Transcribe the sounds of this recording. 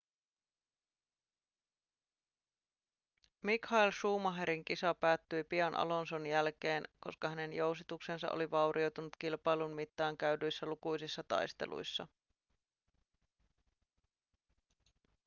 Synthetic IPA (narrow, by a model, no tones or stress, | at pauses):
mikhɑilʃuːmɑɦeɾiŋkisɑpæːt̪ːyjpiɑnʔɑ̰lo̞nso̞njælke̞ːnko̞skɑhæne̞njo̞wsit̪ukse̞nsɑ̰ʔo̰liʋɑwɾʔiowt̪unut̪kilpɑjlunmit̪ːɑːŋkæydyjsːælukujsisːɑt̪ɑ̰jst̪e̞̰lʔṵjsːɑ̰